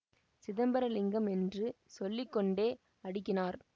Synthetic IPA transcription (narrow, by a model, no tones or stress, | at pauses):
sɪðɐmbɐɾɐlɪŋɡɐmɛndrɯsɔlːɪkːɔɳɖeː | ɐɽɪkːɪnaːɾ